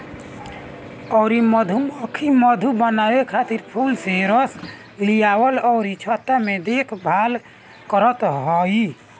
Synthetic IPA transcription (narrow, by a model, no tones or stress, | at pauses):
ɔɾiməd̪ʱuməkʰiməd̪ʱubənabekʰat̪iɾpʰulseɾəs | lijawəlɔːɾit͡ʃʰət̪ːamed̪ekʰbʱal | kəɾət̪ɦɔj